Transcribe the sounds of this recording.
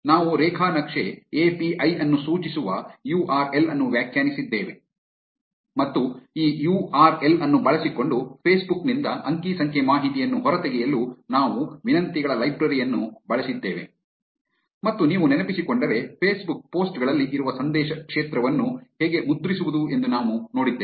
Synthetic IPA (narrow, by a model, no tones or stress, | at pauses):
naːʋuɾɛːkʰaːnɐkʂeeːpiʔɐjɐnːusuːt͡ʃisuʋɐjuːʔaːɾelɐnːuʋjaːkʰjaːnisid̪ːeːʋe̞ | mɐt̪ːuiːjuːaːɾe̞lɐnːubɐɭɐsiko̞ɳɖupʰeːsbuknind̪ɐɐŋkiːsɐŋkʰemaːɦit̪ijɐnːuɦɔɾɐt̪eɡɛjɐlːunaːʋuʋinɐnt̪iɡɐɭɐlɐjbɾɐɾijɐnːubɐɭɐsid̪ːeːʋe̞̰ | mɐt̪ːuniːʋunɛnɐpisikoɳɖɐɾe̞pʰeːsbuk̚po̞ːsʈɡɐɭɐlːiʔiɾuʋɐsɐnd̪ɛːʃɐkʂeːt̪ɾɐʋɐnːuheːɡe̞mud̪ɾisuʋud̪ue̞nd̪unaːʋuno̞ːɽid̪ːeː